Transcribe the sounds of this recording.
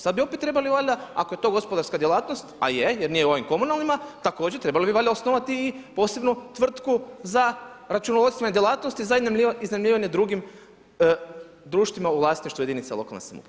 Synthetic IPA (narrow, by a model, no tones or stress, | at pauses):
sad̪bio̞pet̪ːɾe̞baliʋaʎʲaa̰ko̞je̞t̪o̞ɡo̞spo̞d̪aɾskad̪jelˠaːt̪no̞st̪a̰jejeɾnijeo̞ʋimko̞munalˠnimat̪ako̞ːd͡ʑet̪ɾe̞balibiʋaʎʲaosnoʋat̪iːpo̞ːse̞bnut̪ʋr̩t̪kuzaɾat͡ʃunoʋot̪ʋaɲd̪jelˠaːt̪nost̪izaiiznamlʲiːʋaɲe̞d̪ɾuɡim | d̪ɾuːʃt̪ʋimaulˠaːsniʃt̪ʋujeinitselo̞ka̰lnḛsa̰mṵ